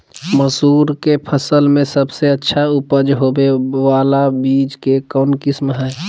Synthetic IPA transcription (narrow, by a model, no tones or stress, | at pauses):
məsuːɾkepʰəsəlmẽsəbseətːʃʰaʊpəd͡ʒɦobeʋaːlabiːd͡ʒkekɔːnkɪsmɦɛː